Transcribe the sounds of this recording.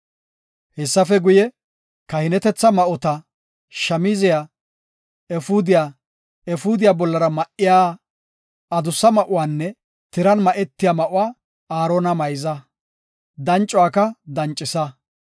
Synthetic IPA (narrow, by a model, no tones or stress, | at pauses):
hɛsːɐfɛɡʊjɛ | kɐhɪnɛt̪ɛt͡sːɐmɐʔɔt̪ɐ | ʃɐmiːzɪja | ɛfʊd̪ɪjaː | ɛfʊːd̪ɪjaːbɔlːɐɾɐmɐʔɪjaː | ɐd̪ʊsːɐmɐʔʊwaːnːɛ | t̪ɪɾɐnmɐʔɛt̪ːɪjaːmɐʔʊwaː | aːɾoːnɐmɐjzɐ | d̪ɐnt͡ʃʼːwaːkɐd̪ɐnt͡ʃʼːɪsɐ